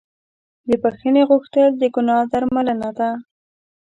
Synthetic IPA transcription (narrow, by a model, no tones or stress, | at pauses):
d̪əpaxəneɣʊxt̪əld̪əɡʊnɑd̪aɾmalənad̪a